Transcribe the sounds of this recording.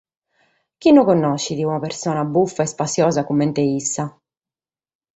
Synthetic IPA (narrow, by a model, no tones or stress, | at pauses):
k̟inːokonːɔʃːid̪iunapeɾsɔːnabufːaɛspasːjɔːzakumːɛnt̪eisːa